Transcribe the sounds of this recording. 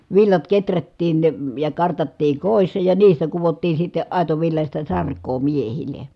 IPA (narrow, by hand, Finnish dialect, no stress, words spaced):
ʋilːɑt ketrætːiːn jɑ kɑrtɑtːiː koˑisːɑ jɑ niːstæ kuʋotːiː sitːe ɑˑi̯toʋilːɑsʲtɑ sɑrkˑoː miehile